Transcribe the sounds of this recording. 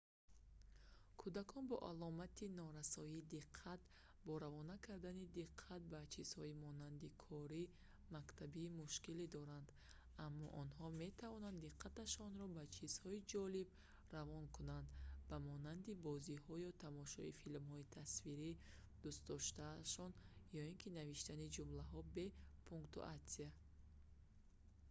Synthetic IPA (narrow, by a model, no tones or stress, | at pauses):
kʰud̪akʰɔnbɔʔalɔmat̪ʰinɔɾasɔiːd̪iqʰːat̪ | bɔɾavɔnakʰaɾd̪anid̪iqʰːat̪̚bat͡ʃʰiz̥hɔimɔnand̪ikʰɔɾi | makt̪ʰabiːmuʃkilid̪ɔɾand̪ | amːɔ̰ʔɔnhɔme̞t̪ʰavɔnand̪iqʰːat̪aʃɔnɾɔbat͡ʃʰiz̥hɔid͡ʒɔlib | ravɔnkʰunand̪bamɔnand̪ibɔzihɔjɔt̪ʰamɔʃɔ̰ifilmhɔit̪ʰasfiɾi | d̪̥ust̪d̪ɔʃt̪aːʃɔnjɔiŋkʰinaviʃt̪anid͡ʒumlaɦɔbe̞pʰuŋkt̪ṵʔat̪sia